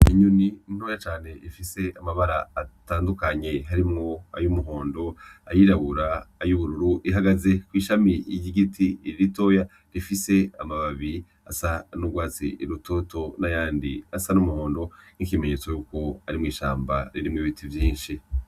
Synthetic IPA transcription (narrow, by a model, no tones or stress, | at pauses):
iɲuniin̥oːjat͡ʃaːne̞ifise̞amaβaɾaːtaːndukaɲe̞ɦaɾimŋo̞a̰jumuɦo̞ːndo̞ajiɾaβuɾaːjuβuɾuɾuʔiɦaɡaze̞kwiːʃamiiɟiɡitʰiiɾito̞ja | ɾifise̞amaβaβi | asanuɡwaːt͡sḭʔiɾutʰoto̞najaːndiasanumuho̞ːndo̞n̥ikime̞ɲet͡sojuːko̞aɾimŋiːʃa̰ːmba̰ɾiɾimŋiβitʰivjiːnʃi